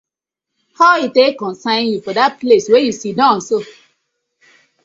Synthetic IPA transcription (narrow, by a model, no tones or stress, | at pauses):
haitekɔ̃nsãɪ̃njufɔdat̚pleswejusidãn̩so